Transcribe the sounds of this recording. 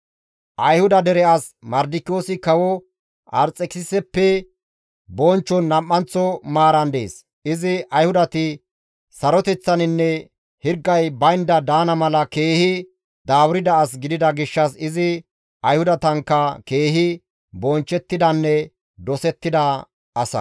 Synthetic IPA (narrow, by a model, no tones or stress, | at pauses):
ʔɐjhʊd̪ɐd̪ɛɾɛɐs | mɐɾd̪ɪkːɪoːsɪkɐwɔ | ɐɾt͡sʼɛkɪsɛpːɛ | bɔnt͡ʃːɔnːɐmːɐnt͡sːɔmaːɾɐnd̪ḛːs | ɪzɪʔɐjhʊd̪ɐt̪ɪ | sɐɾɔt̪ɛt͡sːɐnɪnːɛ | hɪɾɡːɐjbɐjnd̪ɐd̪aːnɐmɐlɐke̞ːhɪ | d̪aːwɾɪd̪ɐːs̬ɡɪd̪ɪd̪ɐɡɪʃːɐsɪzɪ | ɐjhʊd̪ɐt̪ɐŋkːɐke̞ːɦɪ | bɔnt͡ʃːɛt̪ːɪd̪ɐnːɛ | d̪ɔsɛt̪ːɪd̪ɐ | ʔɐsɐ̰